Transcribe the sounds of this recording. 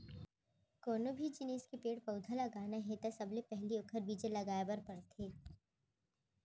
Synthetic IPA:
koːnobʱid͡ʒɪneːskepeːʈpɐʊd̪ʱalɐɡaːnaɦɛt̪asɐblepɛɦliokʰəɾbiːd͡ʒelɐɡaːjabɐɾpɐɽt̪ʰeː

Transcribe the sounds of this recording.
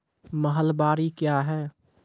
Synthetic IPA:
məɦəlbaːɾikjaːɦɛː

